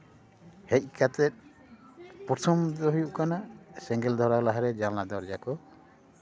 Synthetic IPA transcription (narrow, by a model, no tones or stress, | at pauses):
hec̚ˀkat̪ɛt̪̚ | pɔt̪ʰɔmd̪ɔɦujuʔkanasɛŋɡɛld̪ʱɔɾalaɦaɾɛd͡ʒanlad̪ɔɾd͡ʒakɔ